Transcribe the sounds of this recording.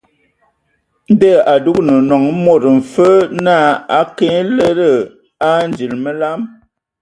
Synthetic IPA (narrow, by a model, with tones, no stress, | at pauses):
n˦də˦˨a˨du˦knə˨nɔ˨ŋ˦mo˦˨ɾɱ̩˨fə˦na˦˨a˦kẽ˦le˦ɾə˦˨ | a˦n˦d͡ʒi˨lmə˦la˦m